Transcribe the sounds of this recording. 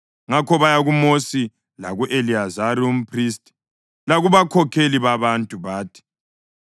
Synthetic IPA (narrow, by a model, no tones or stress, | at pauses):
ŋakʰɔβajaɣumosi | laɣuʔeliazaɾium̩pʰris̬tʼi̥ | laɣuβakʰɔkʰeliβaβantʼuβaːtʰi̥